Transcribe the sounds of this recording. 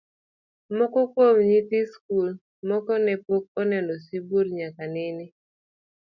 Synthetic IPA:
mɔkɔkwomɲitɪskul | mɔkɔnɛpok̚ɔnɛnɔsiboɾɲakanɪnɪ

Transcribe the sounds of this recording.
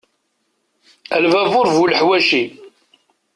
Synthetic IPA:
ælvævʊɾvuləħwæʃi

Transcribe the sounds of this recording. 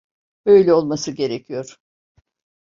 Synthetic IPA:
b̥ø̞jlʲɛo̞lˠmasɯɟe̞ɾecʰijo̞ɾ̥

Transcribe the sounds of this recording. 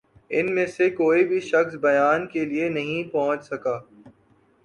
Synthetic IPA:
ɪnmẽsekoːibʱiʃɐxsbɐjaːnkelienɐɦĩpɔɦə̃t͡ʃsɐkaː

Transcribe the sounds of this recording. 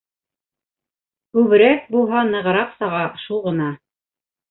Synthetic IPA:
kʉβɘ̆ɾæk̚bulˠɦɑnɤ̆ʁɤ̆ɾɑqsɑʁɑʃulˠʁɤ̆nɑ

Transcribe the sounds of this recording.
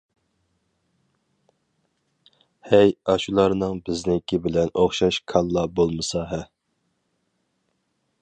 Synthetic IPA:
hɛjɑʃulˠɑɾnɨŋbɪznɪkʲʰibɪlɛnoχʃɑʃkʰɑlˠːɑbolˠmɨsɑɦɛ

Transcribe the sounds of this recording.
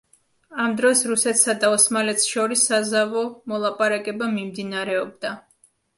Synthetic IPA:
amd̪ɾɔsɾusɛt̪ʰsad̪aɔsmalɛt̪sʃɔɾisːazavɔmɔlˠapʼaɾakʼɛbamimd̪inaɾɛɔb̚d̪a

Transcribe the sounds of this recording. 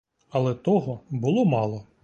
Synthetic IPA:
ɐlˠɛt̪ɔɦɔbʊlˠɔmɑlˠɔ

